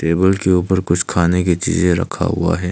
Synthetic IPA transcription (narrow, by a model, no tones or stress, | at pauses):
ʈeːbəlkeuːpəɾkʊt͡ʃʰkʰaːneket͡ʃḭːzẽɾɐ̰kʰa̰ɦʊ̰a̰ɦɛː